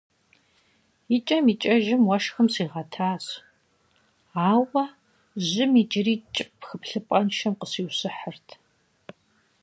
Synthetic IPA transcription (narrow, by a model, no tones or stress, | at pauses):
jit͡ʃʼɐmiːt͡ʃʼɐʒɪmwɐʃxɐmsiːʁɐtʰaːs | aːwɐ | ʑɪmiːd͡ʒɪriːt͡ʃʼɪpxɨpɬɨpʼɐnʃɐmqəsiːwsɨħərtʰ